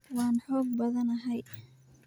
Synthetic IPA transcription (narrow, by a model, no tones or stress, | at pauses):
wɑːnħɔːɡ̚bɐðɐnɐɦɛj